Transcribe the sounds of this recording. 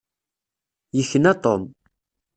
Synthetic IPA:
jəçːənæt̪ˤom

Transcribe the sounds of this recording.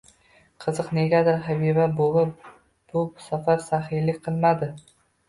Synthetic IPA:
qʰɨzɨqne̞ɡʲad̪ɪɾɦabibabolˠɪp̚ | b̥ʊsafaɾsaɦɪjlɪkʲqʰɨlˠmad̪ɪ

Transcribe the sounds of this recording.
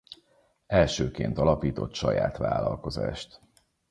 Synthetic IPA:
ɛlʃøːkeːnt̪ɒlɒpiːt̪o̞t̪ʃɒjaːt̪ʋaːlɒlko̞zaːʃt̪

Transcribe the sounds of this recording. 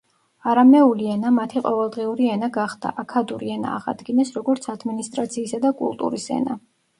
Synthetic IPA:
aɾamɛuliɛnamat̪ʰiqʼɔvɛlˠd̪ʁiuɾiɛnaɡaχd̪̥a̰ʔakʰad̪uɾiɛna̰ːʁa̰d̪ɡinɛsɾɔɡɔɾt̪sʰad̪minist̪ʼɾat̪sʰiːsad̪akʼṵlˠt̪ʼṵɾisɛ̰na

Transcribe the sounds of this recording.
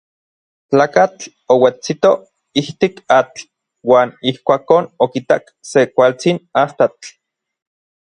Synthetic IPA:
t͡ɬaːkat͡ɬ | owet͡sit̪o | iht̪ikat͡ɬ | waːnihkʷaːkoːnokit̪ak | sekʷalt͡sinast̪at͡ɬ

